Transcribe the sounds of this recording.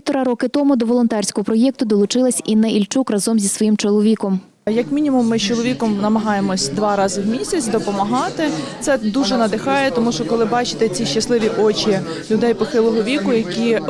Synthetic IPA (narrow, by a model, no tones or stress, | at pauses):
t̪ɔɾɑɾɔkɪt̪ɔmʊd̪ɔʋɔlˠɔnt̪ɛrʲsʲkɔɦɔpɾɔjɛk̚t̪ʊd̪ɔlˠʊt͡ʃɪlˠɐsʲinɛʔilʲt͡ʃukrɐzɔmzʲisʋɔjimt͡ʃɔlˠɔʋʲikɔm | jɐkmʲinʲimʊmːɪt͡ʃɔlˠɔʋʲikɔmnɐmɐɦɑjemɔsʲd̪ʋɑɾɑzɪwmʲisʲɐt͡sʲd̪ɔpɔmɐɦɑt̪ɪt̪sɛd̪uʒɛnɐd̪ɪxɑjɛt̪ɔmuʃt͡ʃɔkɔlˠɪbɑt͡ʃɪ̥t̪ɛt͡sʲiʃt͡ʃːɐslˠɪʋʲiʔɔt͡ʃʲi | lʲʊd̪ɛjpɔxɪlˠɔɦɔʋʲikʊjɐkʲi